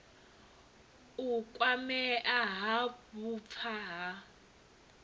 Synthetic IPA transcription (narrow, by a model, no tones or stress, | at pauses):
ukʼwamɛʔaɦabup̪fʰaɦa